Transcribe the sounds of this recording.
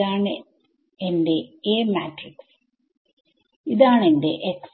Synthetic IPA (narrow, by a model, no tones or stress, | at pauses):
aːɳɨ | ende̞eːmaːtriks | iðaːɳe̞nde̞̰ʔeks